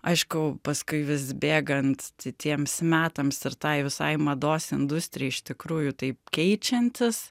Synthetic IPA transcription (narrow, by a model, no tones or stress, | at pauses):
ɐɪʃkʊpɐskʊɪʋʲɪsbʲeːɡɐnt̪t̪ʲɪt̪ʲiɛmsmʲæːt̪ɐmsɪɾt̪ɐɪʋʲɪsɐɪmɐd̪oːsɪnd̪ʊsʲt̪ʲɾʲɪjɛɪɪʃt̪ʲɪkɾuːjʊt̪ɐɪpkʲɛɪt͡ʃʲɛnʲt̪ʲɪs